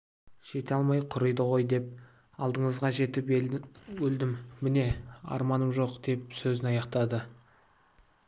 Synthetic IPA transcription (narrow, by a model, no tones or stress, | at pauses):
ʒ̥e̞t̪eɑlˠmɑjqʰʊɾəjd̪əʁo̞jd̪e̞p̚ | ɑlˠd̪əɴəzʁɑʒe̞t̪ɪpwɵld̪ɪmːɪne̞ɑ̰ɾmɑnəmʒo̞qd̪̥e̞p̚sɵzɪnɑjɑqt̪ɑd̪ə